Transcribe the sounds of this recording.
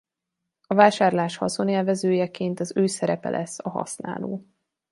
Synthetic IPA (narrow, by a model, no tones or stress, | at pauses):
ɒvaːʃaːrlaːʃhɒzoneːlvɛzøːjɛkeːnt̪ɒzøːsɛɾɛpɛ̰lʔɛsːɒɦɒ̰sna̰ːlo̰ː